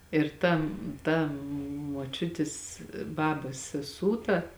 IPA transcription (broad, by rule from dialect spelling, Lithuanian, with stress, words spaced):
ɪr ˈtɐ ˈtɐ moːˈt͡ʃʲʊtʲɪs ˈbɑːbɐs sʲɛˈsuː tɐ